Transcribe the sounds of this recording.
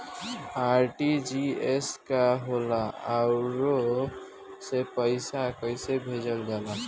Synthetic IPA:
aɾʈid͡ʒieskaɦolaaɾo | sepəɪsakəɪjsebʱed͡ʒəld͡ʒala

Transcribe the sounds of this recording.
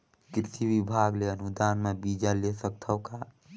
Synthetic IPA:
ɡɾɪt̪ʰiwibʱaːɡleənud̪aːnmẽbiːd͡ʒalesək̚t̪ʰəka

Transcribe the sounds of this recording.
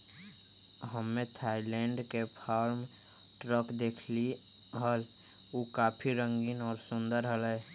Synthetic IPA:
ɦəmːẽt̪ʰaːilɛ̃ɳɖkepʰaːɾm | ʈɾəkd̪eːkʰli | ɦəl | oːkaːpʰiɾə̃ŋɡinɔːɾsʊ̃nd̪əɾɦəlɛ

